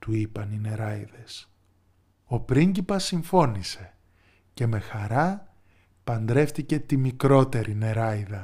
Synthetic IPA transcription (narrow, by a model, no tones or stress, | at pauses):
t̪uipɐnine̞ɾɐjðe̞s | o̞pɾiɲɟipɐsiɱfo̞nise̞ | ce̞me̞xɐɾɐ | pɐnd̪ɾe̞fθice̞t̪imikɾo̞t̪e̞ɾʔine̞ɾɐjðɐ